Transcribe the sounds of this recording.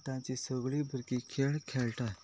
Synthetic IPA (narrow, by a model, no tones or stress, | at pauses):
t̪ãt͡ɕisəɡɭibʱəɾkikʰeɭkʰeɭʈa